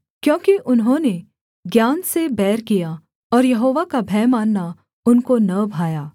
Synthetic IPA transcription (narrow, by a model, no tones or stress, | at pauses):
kjõːkiʔʊnɦõːne | ɡjaːnsebɛːɾkija | ɔːɾjɐɦoːʋakabʱɛːmaːnːa | ʊnkonɐbʱaːjaː